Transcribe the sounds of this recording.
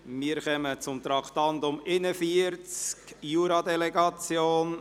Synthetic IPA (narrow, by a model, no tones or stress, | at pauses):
miːəɾχœmət͡sʊmt̪ɾɑktɑndʊmɪnəfiəɾt͡skjuːɾɑd̪ɛlɛɡɑt͡sjoːn